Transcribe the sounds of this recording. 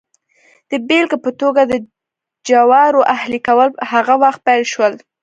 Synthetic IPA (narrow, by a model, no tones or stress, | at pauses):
d̪̥əbelkpət̪oɡad̪ə | d͡ʒawɑɾoʔahlikawəlhaɣawaxt̪̚pajlʃwəl